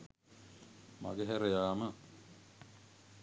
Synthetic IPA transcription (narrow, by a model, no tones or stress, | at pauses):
ma̰ɡeɦeɾejaːmə